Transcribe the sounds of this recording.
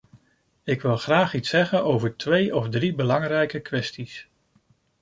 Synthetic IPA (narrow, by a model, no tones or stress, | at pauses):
ɪkʋɪlˠχraːχitsɛχənowvəɹtʋejɔfdribəlɑŋrɛjkəkʋɛstis